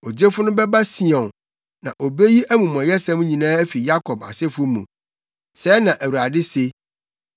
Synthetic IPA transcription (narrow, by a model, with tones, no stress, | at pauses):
o˨d͡ʑe˦fʊ˦nʊ̃˦bɛ˦ba˦si˨ɔ̃˨n | nã̰˨ʔo˨be˦ji˦ʔæ˦mũ˨mʊ̃˨ɛ̃˨jɛ˦sɛ̃˦mũ˦ɲĩ˨nãː˦æ˦fi˨ja˦kʰɔ˨ba̰˨sɛ˦fʊ˦mṵ̃˨ | sɛ˦nã˨ʔæ˨wu˨ɾa˨dɪ˦se˦